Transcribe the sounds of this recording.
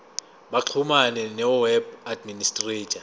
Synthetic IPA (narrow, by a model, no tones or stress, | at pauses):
ɓaǁʰumanɛnɛwɛbadministʼreːtʼa